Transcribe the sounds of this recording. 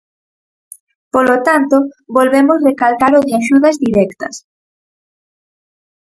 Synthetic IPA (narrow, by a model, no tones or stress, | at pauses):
polot̪ant̪oβolβemosrekalk̪aɾoðɪaʃuðɐzðiɾɛkt̪ɐs